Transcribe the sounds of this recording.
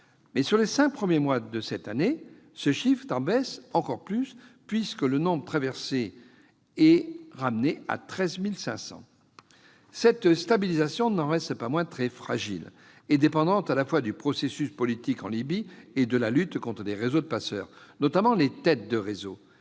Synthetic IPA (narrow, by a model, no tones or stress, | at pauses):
mɛsyʁlesɛ̃k̚pχəmjemwad̪əsɛt̪ane | səʃifχt̪ɑ̃bɛsɑ̃kɔʁplyspɥiskələnɔ̃bʁət̪χavɛʁse | ɛʁamnea̰t̪χɛzmilsɛ̃sɑ̰̃ | sɛt̪st̪abilizasjɔ̃nɑ̃ʁɛst̪pamwɛ̃t̪χɛfχaʒḭl | ed̪epɑ̃d̪ɑ̃t̪alafwad̪ypχɔsesyspɔlit̪ikɑ̃libied̪əlalyt̪kɔ̃t̪χəleʁezod̪əpasœ̰ːʁnɔt̪amɑ̃let̪ɛt̪̚d̪əʁezo